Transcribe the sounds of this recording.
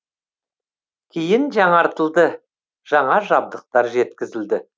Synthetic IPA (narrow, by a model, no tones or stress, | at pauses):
kʲʰejɪnʒɑɴɑɾt̪əlˠd̪ə | ʒ̥ɑɴɑʒɑb̚d̪əq̚t̪ɑɾʒe̞t̪kʲɪzɪld̪ɪ